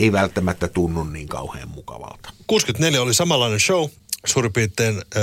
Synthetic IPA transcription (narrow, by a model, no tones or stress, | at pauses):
eˑiʋælt̪ːæmæt̪ːæt̪unːunniːŋkɑ̰ˑuhḛːmmukɑ̰ʋɑ̰lt̪ɑ̥kuːskyt̪neljæolisɑmɑlːɑinenʃousuːripiːt̪ːˑeːn